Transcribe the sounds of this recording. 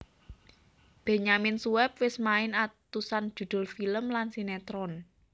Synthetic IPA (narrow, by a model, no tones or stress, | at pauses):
b̥e̤ɲamɪnsuwɛp̚wɪsmaɪnat̪usand̥d͡ʒ̥ṳd̪̥ʊ̤lfiləmlansinɛt̪ɾɔn